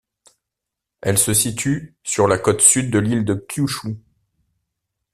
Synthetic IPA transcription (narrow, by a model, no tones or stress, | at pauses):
ɛlsəsit̪ʰysyʁlakɔt̪syd̪ːəlild̪əkʲʰjuʃu